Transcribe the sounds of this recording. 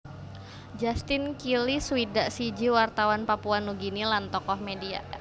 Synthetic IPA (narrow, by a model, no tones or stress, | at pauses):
d͡ʒast̪ɪnkiliswidaʔsid͡ʒiwart̪awanpapuanuɡinilant̪ɔkɔhmedia̰